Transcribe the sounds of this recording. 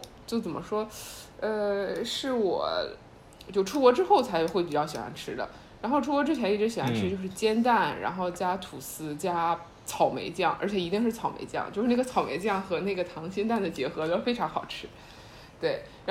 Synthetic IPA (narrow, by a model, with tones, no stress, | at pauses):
t͡ɕjo˥˩ʊt͡sə˨˩mə˦ʂwɔ˥ə˧ʂɻ̩˥˩wɔ̰˨˩ | t͡ɕjo˥˩ʊʈ͡ʂʰu˥kwɔ˧˥ʈ͡ʂɻ̩˥xo˥˩ʊt͡sʰa˧˥ɪxwe˥˩ɪpi˨˩t͡ɕjɑ˥˩ʊɕjɛ˨˩a̰˧˥nʈ͡ʂʰɻ̩˥d̪ə̰˨ | ɻa˧˥nxo˥˧ʊʈ͡ʂʰu˥kwɔ˧˥ʈ͡ʂɻ̩˥t͡ɕʰjɛ˧˥i˥˩ʈ͡ʂɻ̩˧˥ɕjɛ˨˩wa˧˥nʈ͡ʂʰɻ̩˥t͡ɕjo˥˧ʊʂɻ̩˥˩t͡ɕjɛ˥nt̪a˥˩nɻa̰˧˥nxo˥˩ʊt͡ɕja˥t̪ʰu˨˩sɹ̩˥t͡ɕja˥ | t͡sʰɑ˧˩ʊmḛ˧˥ɪt͡ɕjɑ˥˩ŋʔə˞˧˥t͡ɕʰjɛ˨˩i˧˥i˥˧ŋʂɻ̩˥˩t͡sʰɑ˨˩ʊmḛ˧˥ɪt͡ɕjɑ̰˥˧ŋt͡ɕjo˥˧ʊʂɻ̩˥na˥˩ɡə˩t͡sʰɑ˨˩ʊmḛ˧˥ɪt͡ɕjɑ˥˩ŋxɤ˧˥ne˥˩ɡə˩t̪ʰɑ˧˥ŋɕɛ˥nt̪a˥˩nd̪ə˩t͡ɕjɛ˧˥xɤ˧˥t̪o˥˩fe˥ɪʈ͡ʂʰɑ˧˥ŋxɑ˨˩ʊʈ͡ʂʰɻ̩˥ | t̪we˥˩ɪɻ